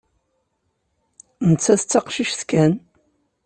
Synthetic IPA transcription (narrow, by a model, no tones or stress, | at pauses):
nət͡sːæθət͡sːɑqʃiʃθkæn